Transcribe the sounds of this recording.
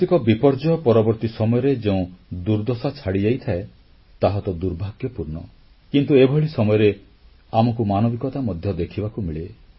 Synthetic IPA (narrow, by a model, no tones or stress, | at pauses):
t̪ikɔbipɔɾd͡ʒɔjɔpɔɾɔbɔɾt̪isɔmɔjɔɾed͡ʒeũd̪uɾd̪ɔsat͡ʃʰaɽid͡ʒajt̪ʰae | t̪aɦɔt̪ɔd̪uɾbʱaɡjɔpuɾnɔ | kint̪uebʱɔɭisɔmɔjɔɾe | amɔkumanɔbikɔt̪amɔd̪ʱjɔd̪ekʰibakumiɭe